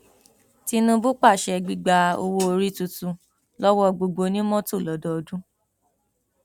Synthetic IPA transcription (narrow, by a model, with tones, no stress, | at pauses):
ti˧nũ˧˦bu˦k͡pa˦˨ʃɛ˧ɡ͡bi˧ɡ͡ba˧o̰˧wo˦o˧ɾi˦tu˧tũ˨˧ | lɔ˦wɔ˦˧˨ɡ͡bo˧ɡ͡bo˧nĩ˦mɔ̃˦to˦˨lɔ˨˦dɔ˦ɔ˧˨dũ˦